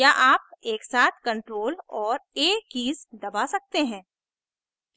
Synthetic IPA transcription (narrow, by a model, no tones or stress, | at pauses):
jaʔaːp̚eːksaːt̪ʰkɐ̃ɳʈɾoːlɔːɾeːkːiːzd̪ɐbasɐk̚t̪eɦɛ̃ː